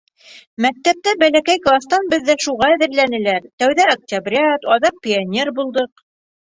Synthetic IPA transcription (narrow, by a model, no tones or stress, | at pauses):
mæk̚t̪æp̚t̪æbælækæjklˠast̪ɑnbɘ̆ðːæʃuʁɑæðɘ̆ɾlænɘ̆læɾt̪æwðæɐk̚tʲabɾʲɪɑt̪ɑðɑq̚pʲɪanʲerbulˠd̪ɤq